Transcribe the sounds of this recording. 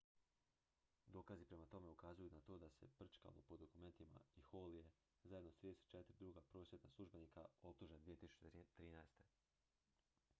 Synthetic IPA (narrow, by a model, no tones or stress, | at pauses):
d̪o̞ːkazipɾe̞mat̪o̞me̞ukazujunat̪o̞ːd̪ase̞pr̩t͡ʃka̰lopo̞d̪o̞kume̞nt̪ima̰ixoːlije | zaje̞d̪not̪ɾid̪eset̪̚ːt͡ʃe̞t̪iɾid̪ɾuːɡapɾo̞ːsjet̪naslˠuʒbe̞niːkao̞p̚t̪uʒend̪ʋiet̪isu̥t͡ɕet̪ɾiːnaest̪e̞